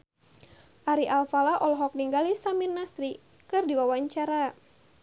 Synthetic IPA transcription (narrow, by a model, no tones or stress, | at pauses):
ʔaɾiʔalfalaʔɔlɦɔk̚niŋɡalisamirnasɾi | kɨrdiwawaɲt͡ʃaɾa